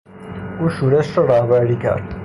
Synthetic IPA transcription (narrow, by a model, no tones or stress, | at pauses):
uːʃuːɾeʃɾɔɾahbæɾiːkʰæ̰ɾd̪̥